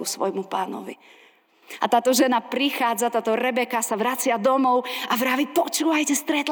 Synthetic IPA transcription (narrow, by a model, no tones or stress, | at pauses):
usʋɔ̰jmupaːnɔ̰ʋḭ | at̪aːt̪ɔʒɛnapɾixaːd͡zat̪aːt̪ɔɾɛbɛkasaʋɾat͡sɪad̪ɔmɔʊaʋɾaːʋipɔt͡ʃuːʋajcɛst̪ɾɛt̪